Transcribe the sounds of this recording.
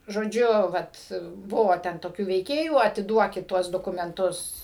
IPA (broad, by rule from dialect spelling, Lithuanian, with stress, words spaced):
ʒoːˈd͡ʒʲʊ ˈʋɐt ˈbʊʋoː ˈtʲɛn toːˈkʲuː ʋʲɛɪˈkʲeːjuː ɐtʲɪˈduɔkʲɪt ˈtuɔs doːkʊmʲɛnˈtʊs